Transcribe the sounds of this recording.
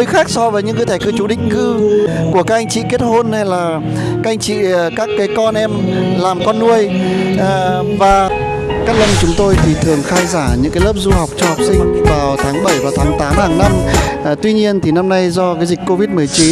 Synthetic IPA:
jxaː˦˥k̚sɔ˧vəː˨˦jɲɨ̰˧˥kɨ˧˦jt̪ʰɛ˧˩kɨ˧t͡ɕu˨˧˩ɗï˧˨ŋ̟kɨ˧ku˧˩əkaː˦˥k̚ʔa˧jŋ̟t͡ɕḭ˧˨ke˦˥t̚ho˧nha˧jlaː˨˩ | kaː˦˥ʔa˧jŋ̟t͡ɕḭ˧˨˩kaː˦˥kːaː˨˦jkɔ˧nʔɛ˧mlaː˨˩mkɔ˧nːu˧əj | vaː˨˩ | kaː˦˥k̚lə˧wŋ͡mt͡ɕʊ˨˦ŋ͡mt̪o˧jt̪ʰi˨˩t̪ʰɨ˨˩əŋxaː˧jzaː˧˩ɲɨ̰˧˥ŋkaː˨˦jlə˦˥p̚zu˧ha˨˩wk͡p̚t͡ɕɔ˧hwk͡p̚sï˧ŋ̟vaː˨˩wt̪ʰaː˨˦ŋɓə˧˩jvaː˨˩t̪ʰaː˨˦ŋt̪aː˨˦mhaː˧˩ŋna˧m˨˩t̪wi˧ɲi˧ənt̪ʰi˨˩na˧mna˧jzɔ˧kaː˨˦jzi˨˩k̟ko˧vi˦˥t̚mɨ˨˩əjt͡ɕi˨˦n

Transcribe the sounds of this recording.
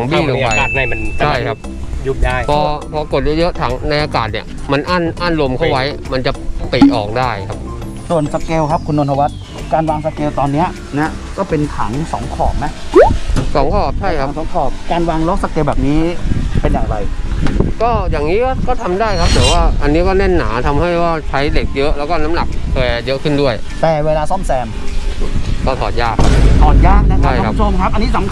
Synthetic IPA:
a˩˦ŋbi˥˧˩lo˧a˧aː˨˩t̪̚a˧˩jma˧nt͡ɕʰa˥˩jkʰa˦˥p̚ | ju˦˥˩jaː˥˩jpʰɔː˧pʰɔː˧ko˨˩t̪̚jɤ˦˥jɤ˦˥ʔt̪ʰa̰ː˩˦ŋna˧jʔaː˧kaː˨˩t̪̚ni˧˩ə | ma˧nʔa˥˩nʔa˥˩nlo˧mkʰa˥˩wa˦˥jma˧nt͡ɕa˨˩pi˨˩ʔɔː˨˩k̚daː˥˩jkʰa˦˥p̚ | su˨˩ənsa˧keː˧wkʰa˦˥p̚kʰu˧nːʔo˧ntʰa˧wa˦˥t̪̚ | kaː˧nwaː˧ŋsa˧keː˧wt̪ɔː˧nːi˦˥ɐ | nɛ˦˥ | kɔː˥˩pe˧nt̪ʰa̰ː˩˦ŋsɔː˩˦ŋkʰɔː˨˩p̚na˦˥ʔ | sɔː˩˦ŋkʰɔː˨˩p̚t͡ɕʰa˥˩jkʰa˦˩˦ŋsɔː˩˦ŋkʰɔː˨˩p̚kaː˧nwaː˧ŋlo˦˥k̚sa˧keː˧wbɛː˨˩p̚niː˦˥pe˧njaː˨˩ŋɾa˧jkɔː˥˩jaː˨˩ŋniː˦˥kɔ˥˩kɔː˥˩t̪ʰa˧mdaː˥˩jkʰa˦˥p̚d̪ɛː˨˩˦waː˥˩ʔa˧nːiː˦˥kɔː˥˩nɛ˥˩nːaː˩˦t̪ʰa˧mha˥˩jwaː˥˩t͡ɕʰa˦˥jde˨˩k̚jɤ˦˥ʔlɛː˦˥wkɔː˥˩na˦˥mna˨˩k̚k̪ʰɤː˧˩jjɤ˦˥ʔkʰɯ˥˩ndu˥˩əjt̪ɛː˨˩weː˧laː˧sɔ˥˩msɛː˧m | kɔː˥˩t̪ʰɔː˨˩t̪̚jaː˥˩k̚ʰːa˦˥˧t̪ʰɔː˨˩t̪̚jaː˥˩k̚na˦˥kʰa˦˥˩jkʰa˦˥mt͡ɕʰo˧mkʰa˦˥p̚ʔa˧nːiː˦˥sa˨˩˦mkʰ

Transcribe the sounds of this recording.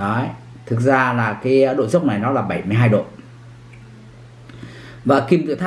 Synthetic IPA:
ɔ˨˦j | t̪ʰɨ˨˩k̚zaː˧laː˨˩kaː˨˦˧ɗo̰˧˨jzə˦˥wk͡p̚na˨˩jnɔ˨˦laː˨˩ɓa˧˩jmɨ˧jɦaː˧jɗo̰˧˨ | vaː˨˩ki˧mt̪ɨ̰˧˨t̪ʰː

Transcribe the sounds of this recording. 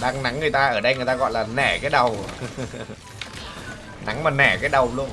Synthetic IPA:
ɗaː˧ŋna˨˦ŋːɨ˨˩əjt̪aː˧ʔəː˧˩ɗə˧jŋɨ˨˩əjt̪aː˧ɣɔ̰˧˨jlaː˨˩nɛ˧˩kaː˨˦jɗə˨˩w | na˨˦ŋmaː˨˩nɛ˧˩kaː˨˦jɗə˨˩wlu˧ən

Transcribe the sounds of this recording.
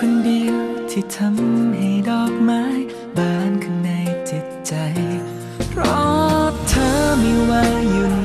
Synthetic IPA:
kʰo˧ndiː˧wt̪ʰi˧˩t̪ʰa˧˥mha˨˧˩jdɔː˧˩k̚maː˦˥j | baː˧nkʰɯ˧nːa˧jt͡ɕi˨˩t̪̚t͡ɕa˨˧j | ɾɔ˧˥tt̪ʰːaː˧˥miː˧waː˧uː˨˩

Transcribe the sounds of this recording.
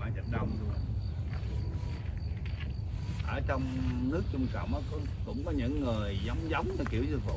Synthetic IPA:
aː˧˩t͡ɕə˧˩ŋɗə˧wŋ͡m | ʔəː˧˩t͡ɕɔ˧wŋ͡mnɨ˦˥ək̚t͡ɕʊ˧ŋ͡mka̰˧˨wmʔɔː˨˦kkʊ̰˧˥ŋ͡mkɔ˨˦ɲɨ̰˧˥ŋːɨ˨˩əjza˨˦wŋ͡mza˨˦wŋ͡mə˧˩ki˧˩əwzɨ˧vo̰˧˨

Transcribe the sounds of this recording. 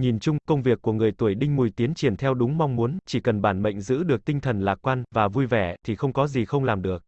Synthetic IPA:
ɲi˨˩nt͡ɕʊ˧ŋ͡mkə˧wŋ͡mvi˨˩əkːu˧˩əŋɨ˨˩əj̚t̪u˧˩əjɗï˧ŋ̟mu˨˩jt̪i˨˦ənt͡ɕi˧˩ənt̪ʰɛ˧wɗʊ˨˦ŋ͡mma˧wŋ͡mmu˨˦ənt͡ɕi˧˩kə˨˩nɓaː˧˩nɓə̰˧˨jŋ̟zɨ̰˧˥ɗɨ˨˩ək̚t̪ï˧ŋ̟t̪ʰə˨˩nlaː˨˩kwaː˧nvaː˨˩vu˧jvɛ˧˩t̪ʰi˨˩xə˧wŋ͡mkɔ˨˦zi˨˩xə˧wŋ͡mlaː˨˩mɗɨ˨˩ək̚

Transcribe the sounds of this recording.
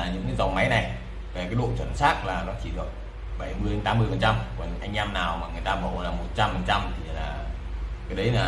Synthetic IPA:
ɲɨ̰˧˥ŋkaː˨˦jza˨˩wma˨˦jna˨˩j | ve˨˩kaː˨˦jɗṵ˧˨t͡ɕwə˧˩nsaː˦˥k̚laː˨˩nɔ˨˦t͡ɕi˧˩ɗɨ˨˩ək̚ | ɓa˧˩jmɨ˧əjt̪aː˨˦mːɨ˧əjfə˨˩nt͡ɕa˧mku˧˩ɲɨ̰˨˦˥ŋʔa˧jŋ̟ʔɛ˧mnaː˨˩wmaː˨˩ŋɨ˨˩əjt̪aː˧ɓə̰˧˩wlaː˨˩mo˨˩t̚t͡ɕa˧mfə˨˩nt͡ɕa˧mt̪ʰi˨˩laː˨˩ | kaː˨˦jɗə˨˦jlaː˨˩

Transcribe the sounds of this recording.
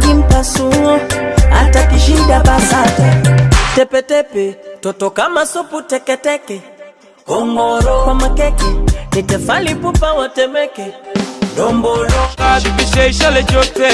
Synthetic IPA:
i˦m̩˦pa˨su˦ŋɔ˦a̰˨ta˨ki˨ʃi˦nda˦ɓa˦sa˦ta˨tɛ˦pɛ˨tɛ˦pɛ˨tɔ˨tɔ˨ka˦ma˦sɔ˦pu˦tɛ˦kɛ˦tɛ˦kɛ˨ | kɔ˨ŋɡɔ˦ɾɔ˦kwa˦ma˦kɛ˦kɛ˨ni˨tɛ˨fa˦li˦pu˦pa˦wa˨tɛ˦mɛ˦kɛ˨dɔ˨mbɔ˨lɔ˦ai˨vi˦ʃɛ˦i˦ʃa˦lɛ˦t͡ʃɔ˦tɛ˦

